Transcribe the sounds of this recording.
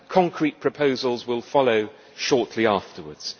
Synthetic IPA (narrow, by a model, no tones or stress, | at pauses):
kʰɒ̃ŋkʰɹ̥iʔ̚pʰɹ̥əpʰəʊzəlˠzwɪlˠfɒloʊ | ʃɔˑʔʰliɑˑftəwə̰dz̥